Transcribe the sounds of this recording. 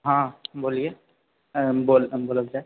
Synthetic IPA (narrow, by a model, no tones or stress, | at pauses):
ɦãːboːlie | boːlboːləɡd͡ʒa